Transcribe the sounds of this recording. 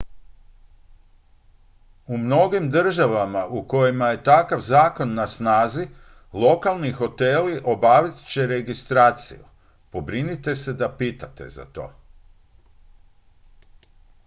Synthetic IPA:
umno̞ɡimd̪r̩ʒaʋamaʔuko̞jimaje̞t̪akaʋzaːko̞nːasnaːzi | lˠo̞kalˠnixo̞t̪e̞ːliʔo̞baːʋit̪t͡ɕe̞ɾe̞ɡist̪ɾaːt̪sḭju | po̞bɾinit̪e̞se̞d̪apiːt̪at̪e̞̰za̰t̪o̞̰ː

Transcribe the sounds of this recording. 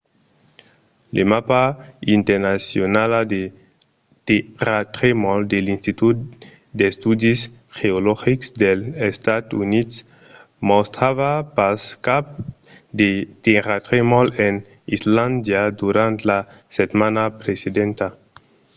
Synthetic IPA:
lʔemapaint̪eɾnasjonalad̪e | t̪irat̪ɾemold̪elinst̪it̪ut̪ | d̪est̪ud̪is | xeolɔxiksd̪elest̪ad̪unit̪s | most̪ɾaβapaskap̚ | d̪et̪iɾat̪ɾemolen | island̪jad̪uɾãnt̪la | set̪manapɾesed̪ẽnt̪a

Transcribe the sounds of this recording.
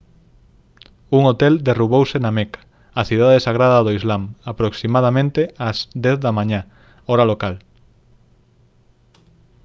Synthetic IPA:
uŋot̪ɛld̪eruβowsenamekḁ | aθiðaðesaɣ̞ɾaðaðoizlamapɾoksimaðamẽnt̪eazd̪ɛθðamãɲa | ɔɾalokal

